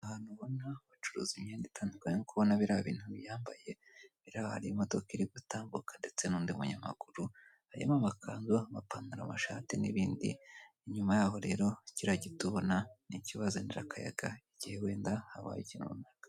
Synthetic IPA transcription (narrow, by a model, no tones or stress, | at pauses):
ahaːn̥huβo̞naβut͡ʃuɾṵːzimɲeːnditʰaːndikaɲenikuβo̞naβiɾaaβḭːn̥huβjaːmbaje̞ | βiɾaβaha̰ɾiimoto̞kiɾiɡutaːmbukʰḁnde̞t͡senuːndimuɲama̰ɡuɾu | haɾia̰mamakʰaːnzoβapaːnuɾamaʃaːtinḭβiːndḭ | iɲumajaːɦo̞ɾe̞ːɾo̞ciɾaɟituβo̞naniciβazoniɾa̰kʰaja̰ɡaiɟihewe̞ːndahaβa̰ːjicinṵunakḁ